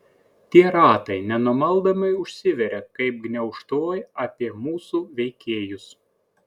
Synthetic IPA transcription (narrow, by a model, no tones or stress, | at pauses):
t̪ʲiɛɾɑːt̪ɐɪnʲɛnumɐlˠd̪ɐmɐɪʊʃʲsʲɪʋʲɛɾʲɛkɐɪp̚ɡnʲɛʊʃt̪oːjɐpʲiɛmuːsuːʋʲɛɪkʲeːjʊs